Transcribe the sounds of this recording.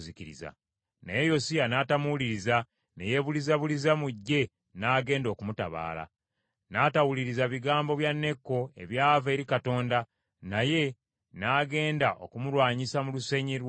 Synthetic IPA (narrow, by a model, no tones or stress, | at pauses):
ziciɾḭza̰ | nejejo̞sijanaːtamuliɾiza | neje̞βulizaβulizamuɟːe̞ | naːɡe̞ːndo̞ːkumutaβa̰ːla̰ | naːtawuliɾizaβiɡaːmbo̞βjanːe̞kːo̞e̞̰βjaːve̞ːɾikato̞ːnda | naje̞ | naːɡe̞ːndaʔo̞̰kumulwaːɲisamuluseɲiɾw